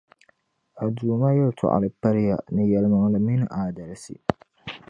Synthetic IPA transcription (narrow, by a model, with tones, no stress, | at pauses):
a˨duː˨ma˦jɔ˦˨tʰʊ̰˨ʔa̰˨lɪ˨ba˦ɾja˨nɪ̃˦jɛ˨lmã˨lɪ˨mɪ˦n˦˨ʔaː˨d̪ɐ˨ɾa˨sḭ˦˨